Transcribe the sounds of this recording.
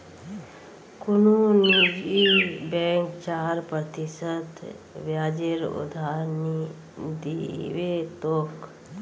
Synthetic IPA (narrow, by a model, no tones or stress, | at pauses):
kʊnunid͡ʒibɛ̃ːŋkt͡ʃaːɾpɾət̪isət̪ | ʋjaːd͡ʒeɾṵd̪ʱaːɾni | d̪ḭʋet̪oːk